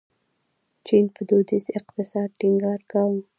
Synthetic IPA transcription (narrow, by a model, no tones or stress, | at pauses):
t͡ʃinpəd̪od̪isɪqt̪ɪsɑd̪̚ʈiŋɡɑɾɡɑwm